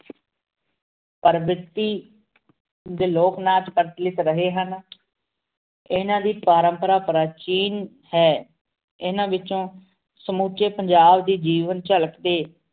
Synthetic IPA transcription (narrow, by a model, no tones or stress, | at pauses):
pəɾʋɪt̪ːiː | d̪eːloːknaːt̪kəɾt̪lɪt̪ɾəɦeːɦən | ɪnãːd̪iːpaːɾəmpəɾaːpɾaːt͡ʃiːn | hɛː | ɪnãːʋɪt͡ʃõː | səmuːt͡ʃeːpəɲd͡ʒaːbd̪iːd͡ʒiːʋənt͡ʃələkd̪eː